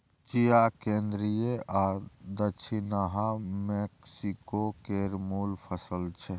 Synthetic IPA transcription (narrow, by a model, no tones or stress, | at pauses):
t͡ʃijakẽnd̪ɾijeʔad̪ət͡ʃʰinaɦameksikokeɾmulpʰəsəlt͡ʃʰɛ